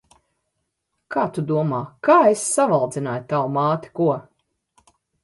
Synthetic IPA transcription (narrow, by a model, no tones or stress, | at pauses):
kaːt̪ud̪uɔmaːkaːesːavalˠd̪zinaːjt̪awmaːt̪i̥kuɔ